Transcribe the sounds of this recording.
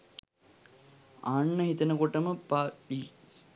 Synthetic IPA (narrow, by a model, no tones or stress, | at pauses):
aːɳːəɦit̪ɐnəkoʈəməpai